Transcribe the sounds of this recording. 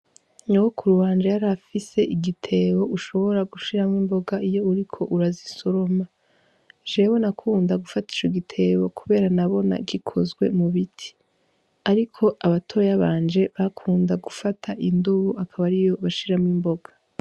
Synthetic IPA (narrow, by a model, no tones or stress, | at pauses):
nuwokuɾuwaːnd͡ʒajaɾafise̞ʔiɡitʰe̞ːβo̞ʔuʃo̞βo̞ɾaɡuʃiɾamŋimbo̞ɡaijo̞uɾikʰo̞ʔuɾaziso̞ɾoma | ʒe̞ːwo̞nakʰuːndaɡufati̥t͡ʃoɡitʰe̞ːβo̞kuβe̞ːɾanaβo̞na̰ɡikʰo̞̰zɡwe̞̰muβitʰi̥ | aɾikʰo̞ʔaβatʰoɾojaβaːnd͡ʒe̞βakʰuːndaɡufatʰaʔinduβuakʰaβaɾijo̞βaʃiɾamŋimbo̞ɡ̥ḁ